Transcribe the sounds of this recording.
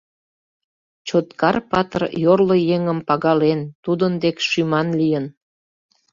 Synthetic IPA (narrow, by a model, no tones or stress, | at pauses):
t͡ɕot̪kɑrpɑt̪ərjorlojeŋəmpɑɣɑlent̪ud̪ənd̪ekʃymɑnlijən